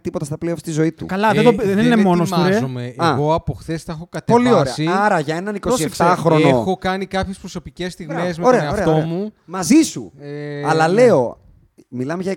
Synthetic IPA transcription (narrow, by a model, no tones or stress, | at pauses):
t̪ipo̞t̪ɐst̪ɐpleofst̪izo̞it̪ṵkɐlɐðed̪obðeninemo̞nosuɾezomeɐɣo̞ɐpoxθesθɐxokɐt̪epo̞lioɾeɐiɐɾɐʝɐe̞nɐniko̞ssift̪ɐxɾonoxokɐnikɐpçespɾo̞so̞picest̪iɣmes̬meoɾeɐeɐofet̪omumɐzisṵɐlɐle̞o̞ | milɐmeʝɐ